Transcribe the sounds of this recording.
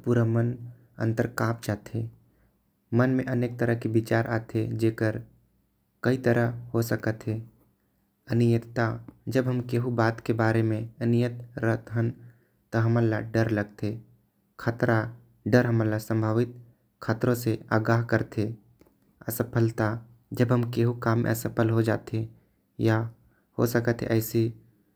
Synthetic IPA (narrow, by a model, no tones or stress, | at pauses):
puːɾamən | ə̰̃nt̪əɾkaːpt͡ʃaːt̪ɦe | mənmẽʔəneːk̚t̪əɾəɦkibɪt͡ʃaːɾʔa̰ːt̪ʰed͡ʒeːkəɾ | kɐit̪əɾʔəɦhosəkət̪ɦe | ənijət̪t̪ad͡ʒəbɦəmkeɦubaːt̪kebaːɾemẽənijət̪ɾət̪ɦən | t̪oɦəməlːaɖəɾləɡt̪ʰe | kʰaːt̪ɾa | ɖəɾɦəməlːasə̃mbʱaːʋɪt̪̚ | kʰaːt̪ɾõsea̰ːɡaːɦkəɾt̪e | əsəpʰəlt̪a | d͡ʒəbɦəmkeːɦukaːmːḛəsəpʰəlɦod͡ʒa̰ːt̪e | ja | ho̰səkət̪ɦɛ̰ʔɛɪsi